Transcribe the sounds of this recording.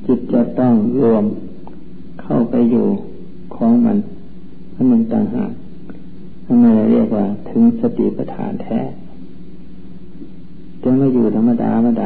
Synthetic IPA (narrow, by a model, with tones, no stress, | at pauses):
t͡ɕi˧˩t̪̚t͡ɕa˧˨t̪ɔ˧˩ŋlu˧əm | kʰa˧˩wpa˧˨jːuː˨˩ | kʰɔː˨˦ŋma˧˥˨n | ma˧˥˨nːɯ˧˩˨ŋt̪a̰ː˧˩ŋɦa̰ː˨˩k̚ | na˧˨maː˧˩la˧˩li˧˥˩ək̚waː˧˩t̪ʰɯ˨˧˦ŋsa˧t̪ḭ˧˨pa˧t̪ʰa̰ː˨˦nt̪ʰɛ̰ː˧˩ | tɛ˧˦maː˧˨juː˨˩t̪ʰa˧mːa˧da̰ː˧ma˧daː˧